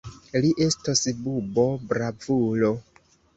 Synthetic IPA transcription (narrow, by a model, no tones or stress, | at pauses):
liʔe̞stasbubo̞bɾavulo